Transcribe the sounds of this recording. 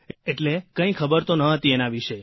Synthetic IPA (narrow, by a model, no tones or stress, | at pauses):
eʈlekə̃ĩkʰəbəɾt̪onəɦət̪ienaʋiʃəj